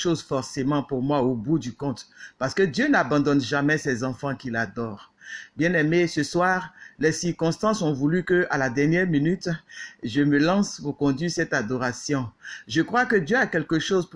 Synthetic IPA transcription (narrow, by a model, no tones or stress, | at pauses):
ʃozfɔʁsemɑ̃puʁmwaobud̪ykɔ̃t̪paʁsə̥kəd̪jønabɑ̃d̪ɔnʒamɛsɛzɑ̃fɑ̃kilad̪ɔːʁbjɛ̃nɛmesəswaːʁlɛsiʁkɔ̃st̪ɑ̃sɔ̃vulykəʔalad̪ɛʁnjɛʁminyt̪ʒəməlɑ̃spuʁkɔ̃d̪ɥisɛt̪ad̪ɔʁasjɔ̃ʒəkχwakəd̪jøakɛlkəʃozp